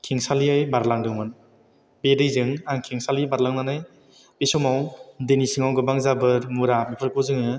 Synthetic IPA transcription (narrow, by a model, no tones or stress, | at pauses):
kʰiŋsaliajbaɾlaŋdɯŋmɯn | bedɯjzɯŋaŋkʰiŋsalibaɾlaŋnanaj | bisɔmawdenisɯŋawɡɯbaŋzabɯɾmuɾamipʰɯɾkʰɔzɯŋɯ